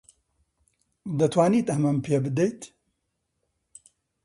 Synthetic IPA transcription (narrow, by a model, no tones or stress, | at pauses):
d̪ɐt̪ʰwaːniːt̪ɐmɐmpʰebɨd̪ejt̪